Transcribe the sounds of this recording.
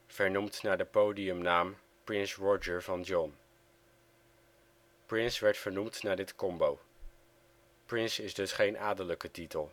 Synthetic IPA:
v̥ɛɹnumtnaːɹdəpowdiɵmnaːm | prɪnsɹɔd͡ʒəɹvɑnd͡ʒɔn | prɪnsʋɛɹtfəɹnumtnaːɹdɪtkɔmbow | prɪnsɪzdɵsχejnʔaːdələkətitəlˠ

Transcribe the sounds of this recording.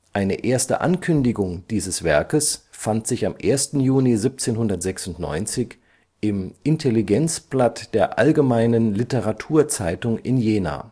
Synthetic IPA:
ʔaɪnəʔeːɐstə̰ʔa̰nkʰʏndɪɡʊŋd̥iːzəsv̥ɛɐkəsfantz̥ɪçamʔeːɐstn̩juːnizip̚t͡seːnhʊndɐtz̥ɛksʊntnɔ̰ʏnt͡sɪç | ʔɪmʔɪntʰeliɡɛnt͡splatd̥eːɐʔa̰lɡəmaɪnənlɪtəʁatʰuːɐt͡saɪtʊŋɪnjeːna̰ː

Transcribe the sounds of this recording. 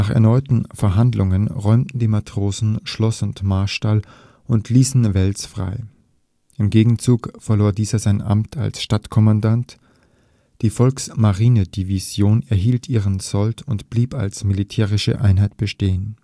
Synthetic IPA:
naːχɛ̰ɐnɔʏtn̩fɛɐɦandlʊŋənʁɔʏmtn̩diːmatʁ̥oːzn̩ʃlɔsʊntmaɐʃtal | ʔʊntʰliːsn̩vɛlt͡sfʁ̥a̰ɪ | ʔɪmɡeːɡŋ̩t͡suːkfɛɐloːɐdiːzɐzaɪnʔa̰mtʰa̰lsʃtatkʰɔmandant | d̥iːfɔlksmaʁiːnəd̥iviz̥joːnɛɐɦiːltʰʔiːʁənt͡sɔltʰʊntb̥liːpa̰lsmilitʰɛːʁ̞ɪʃə̰ʔaɪnɦaɪt̚b̥əʃteːən

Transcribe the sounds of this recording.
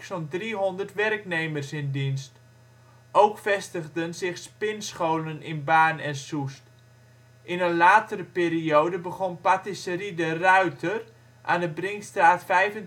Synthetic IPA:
sɔndriɦɔndərtʋɛrknejmərsɪndinst | ʔowkfɛstəɣdənzɪxspɪnsχowlənɪnbaːnɛnsust | ʔɪnənlaːtəɾəpeːɾiowdəbəɣɔnpatisəridərœɥtʰər | ʔa̰ːndəbrɪŋstraːtfɛjvən

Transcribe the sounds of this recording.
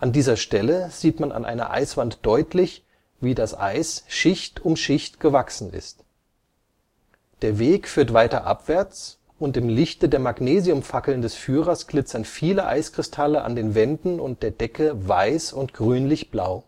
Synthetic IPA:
ʔandiːzɐʃtɛləz̥iːtmana̰nʔa̰ɪnɐ̰ʔa̰ɪsv̥antd̥ɔʏtʰlɪç | viːdasʔa̰ɪsʃɪçtʊmʃɪçtɡ̥əvaksn̩ɪ̰st | d̥eːɐveːkfyːɐtv̥aɪtɐ̰ʔa̰pv̥ɛɐt͡s | ʔʊntɪmlɪçtədeːɐmaɡneːziʊmfakl̩ndɛsfyːʁɐsɡ̥lɪt͡sɐnfiːləʔa̰ɪskʁ̥ɪstʰaləʔa̰ndeːnvɛndn̩ʊnt̚d̥eːɐd̥ɛkəvaɪsʊntɡ̥ʁyːnlɪçb̥laʊ

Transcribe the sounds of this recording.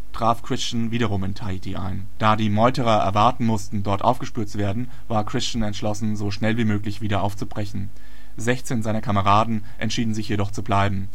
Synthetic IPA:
tʁ̥aːfkʁ̥ɪst͡ʃnviːɾɐʁ̞ʊmɪntʰaitiʔa̰ɪn | d̥aːdiːmɔʏtəʁɐʔɛ̰ɐvaɐtn̩mʊstn̩dɔɐtʔa̰ʊfɡ̥əʃpyːɐt̚t͡suv̥eːɐdn̩ | vaːɐkʁ̥ɪst͡ʃn̩ɛntʃlɔsn̩zoːʃnɛlviːmøːklɪçv̥iːdɐʔaʊft͡subʁɛçn̩ | zɛçt͡seːnzaɪnɐkʰaməʁaːdn̩ | ʔɛ̰ntʃiːdn̩zɪçjedɔχt͡sublaɪbm̩

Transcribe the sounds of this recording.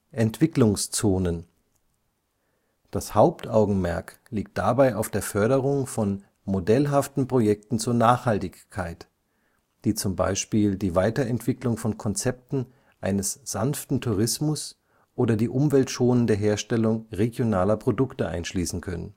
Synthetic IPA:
ʔɛntv̥ɪklʊŋst͡soːnən | d̥ashaʊptʔaʊɡŋ̩mɛɐk | liːk̚t̚d̥abaɪaʊfd̥eːɐfœɐɾəʁ̞ʊŋfɔn | modɛlɦaftn̩pʁ̥ojɛk̚tn̩t͡suːɐnaːχhaltɪçkʰːaɪt | d̥iːt͡sʊmba̰ɪʃpiːldiːvaɪtɐɛntv̥ɪklʊŋfɔnkʰɔnt͡sɛp̚tn̩ | ʔaɪnəsz̥anftn̩tʰuʁ̞ɪsmʊs | ʔoːdɐdiːʔʊmvɛltʃoːnəndeːɐɦeːɐʃtɛlʊŋʁeɡjonaːlɐpʁ̥odʊktəʔa̰ɪnʃliːsn̩kʰœnən

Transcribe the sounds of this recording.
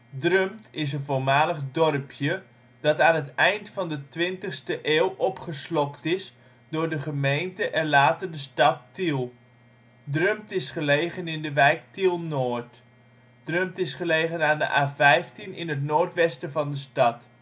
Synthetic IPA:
drømtɪs̬ənvolmaːləχdɔrpʰjə | d̥ɑtaːnətɛjntfɑndətʋɪntəχstəʔeːlˠʔɔpχəslɔktɪs | dʊːrdəχəmejntəʔɛnlaːtərdəstɑtːilˠ | drømtɪsχəlejɣənɪndəʋɛjk̚tilˠnoːrt | d̥rømtɪsχəlejɣənaːndə̰ʔaːvɛjftinɪnətnoːɹtʋɛstəvɑndəstɑt

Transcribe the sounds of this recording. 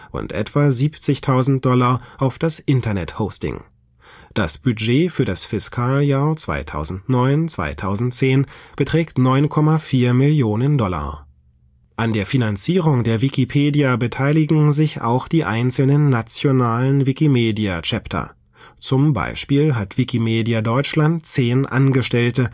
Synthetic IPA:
ʔʊ̰ntʔɛ̰tv̥aziːpt͡sɪçtʰaʊzn̩t̚d̥ɔlaʔaʊfd̥asʔɪntɐnɛthoʊstɪ̰ŋ | d̥a̰sb̥yd͡ʒeːfyːɐdasfɪskʰaːljaːɐt͡sv̥a̰ɪtʰa̰ʊzn̩tnɔʏnt͡sv̥a̰ɪtʰaʊzn̩tt͡seːnb̥ətʁ̥ɛːktnɔʏnkʰɔmafiːɐmɪljoːnəndɔla̰ | ʔandeːɐfinant͡siːʁ̞ʊŋdeːɐvikipʰeːdijabətʰaɪlɪɡŋ̩zɪça̰ʊxd̥iːʔaɪnt͡sl̩nənːat͡sjonaːlənvikimeːdiat͡ʃɛptʰɐ̰ | t͡sʊmba̰ɪʃpiːlɦatv̥ikimeːdiadɔʏt͡ʃlant̚t͡seːnʔa̰nɡəʃtɛltə

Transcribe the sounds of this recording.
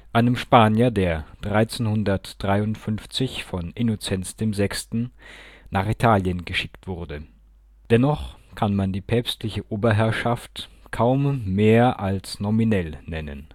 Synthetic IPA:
ʔaɪnəmʃpaːnjɐdeːɐd̥ʁaɪt͡senhʊndɐtd̥ʁaɪʊntfʏnft͡sɪçfɔnʔɪnot͡sɛnt͡sd̥eːmzɛkstn̩naːχitʰaːljənɡəʃɪktv̥ʊʁdə | d̥ɛnɔχkʰanmandiːpʰɛːpstlɪçəʔoːbɐɦɛɐʃaft | kʰaʊmːeːɐʔalsnɔminɛlnɛnə̰n

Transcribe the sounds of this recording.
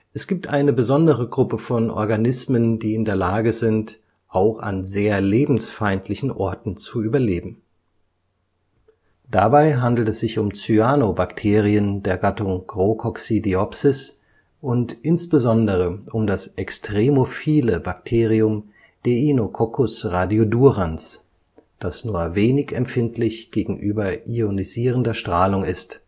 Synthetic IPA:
ʔɛsɡ̥iːp̚tʔaɪnəbəzɔndəʁəɡʁʊpəfɔnʔɔ̰ɐɡanɪsməndiːɪndeːɐlaːɡəzɪnt | ʔaʊxa̰nzeːɐleːbm̩sfaɪntʰlɪçn̩ʔɔɐtn̩t͡suyːbɐleːbm̩ | d̥abaɪɦandl̩tɛsz̥ɪçʊmt͡syaːnobaktʰeːʁiəndeːɐɡatʊŋɡ̥ʁokʰɔksidiɔpsɪs | ʔʊntʔɪnsb̥əzɔndəʁ̞əʔʊmdasʔɛkstʁ̥emofiːləbak̚tʰeːʁ̞iʊm | d̥einokʰɔkʰʊsʁadioduʁans | d̥asnuːɐveːnɪçɛ̰mfɪntʰlɪçɡ̥eːɡŋ̩ʔyːbɐʔioniziːʁəndɐʃtʁ̥aːlʊŋɪst

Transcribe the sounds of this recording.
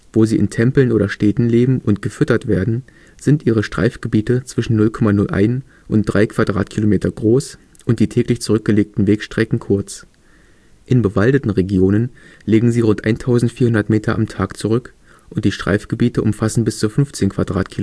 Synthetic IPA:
v̥oːziːʔɪ̰ntʰɛmpl̩nʔoːdɐʃtɛːtn̩leːbm̩ʔʊntɡ̥əfʏtɐtv̥eːɐdn̩ | z̥ɪntʔiːʁ̞əʃtʁ̥a̰ɪfɡ̥əbiːtət͡sv̥ɪʃn̩nʊlkʰɔmanʊlʔa̰ɪn | ʔʊnt̚d̥ʁaɪkʰv̥adʁa̰ːtkʰilomeːtʰɐɡʁoːs | ʔʊntd̥iːtʰɛːklɪçt͡suʁʏk̚ɡ̥əleːk̚tn̩veːkʃtʁ̥ɛkŋ̩kʰʊɐt͡s | ʔɪnbəvaldətn̩ʁeɡjoːnən | leːɡŋ̩ziːʁʊntʔaɪntʰaʊzn̩tfiːɐhʊndɐtmeːtʰɐʔamtʰaːkt͡suʁʏk | ʔʊntd̥iːʃtʁ̥a̰ɪfɡ̥əbiːtəʔʊmfasn̩bɪst͡suːfʏnft͡seːnkʰv̥adʁaːtkʰi

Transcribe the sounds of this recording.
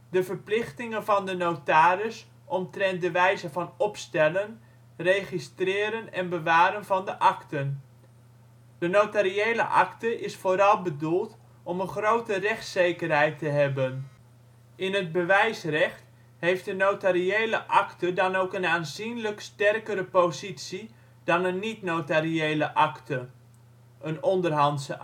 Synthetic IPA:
dəvəɹplɪχtɪŋənvɑndənowtaːɾəs | ʔɔmtrɛnt̚dəʋɛjzəvɑnɔpstɛlən | rejχistrɪːɾənɛnbəʋaːɾənvɑndəʔɑktən | d̥ənotaɾiejlə̰ʔɑ̰ktəʔɪsfoːɾɑlˠbədulˠt | ɔmənχrowtərɛχtsejkərɦɛjtəɦɛbən | ʔɪnɦəd̚bəʋɛjsrɛχt | ɦejftdənotaɾiejləʔɑktədɑnowkənaːnzinləkstɛrkəɾəpowzitsi | d̥ɑnənːitnowtariejləʔɑktə | ʔənɔndərɦɑntsə

